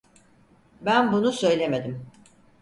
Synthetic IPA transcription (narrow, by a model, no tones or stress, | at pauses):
bænbunusø̞jlʲeme̞d̪im